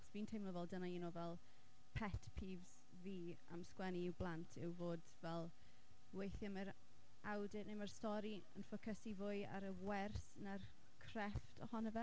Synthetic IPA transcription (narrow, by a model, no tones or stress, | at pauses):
ɔ̥sv̥iːntʰejmlɔvɛlˠdənaiːnɔvɛlˠ | pʰɛtʰpʰiːvz̥ | viː | a̰mskwɛniblˠantʰɪwvoːdvɛlˠ | wejθjaməɾ | awdɪnɪmərstɔɾi | ə̰nfəkʰəsivʊɨa̰ɾəwɛrs | nar | kʰrɛftʰɔhɔnəvɛ